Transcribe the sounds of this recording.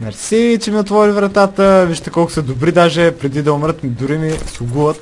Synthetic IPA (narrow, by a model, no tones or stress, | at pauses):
nɐɾɛsit͡ʃɛmiot̪vɔɾivɾɐt̪at̪əviʃt̪ɛkɔlˠkʊ̥sɛd̪obɾid̪aʒɛpɾɛd̪id̪ɐʊmɾət̪md̪ʊɾimisʊɡuvət̪